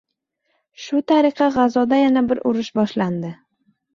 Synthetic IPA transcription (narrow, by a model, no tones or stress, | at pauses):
ʃʊt̪ʰaɾɪqʰɑʁɑzɒd̪ajanabɪɾʔʊɾɪʃbɒʃland̪ɪ